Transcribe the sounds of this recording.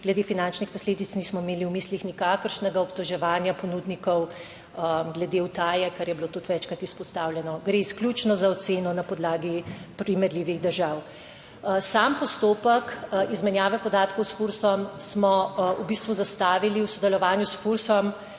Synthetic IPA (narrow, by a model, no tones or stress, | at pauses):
ɡ̥lɛd̪eːfinant͡ʃnixpɔsleːd̪it̪sniːsmɔimeːliwmiːslixnikaːkəɾʃnɛɡaɔpt̪ɔʒɛʋaːnjapɔnud̪nikɔw | ɡlɛd̪eut̪aːjɛkaɾjɛbilot̪ut̪ʋɛt͡ʃkɾat̪ispɔst̪aːwljɛnɔɡɾeisklʲut͡ʃnɔzaɔt̪seːnɔnapɔd̪laːɡipɾimɛɾliːʋiɣd̪əɾʒaːw | sampɔst̪oːpəkizmɛnjaːʋɛpɔd̪aːt̪kɔwsfuɾsɔmsmɔubist̪ʋuzast̪aːʋiliwsɔd̪ɛlɔʋaːnjusfuɾsɔm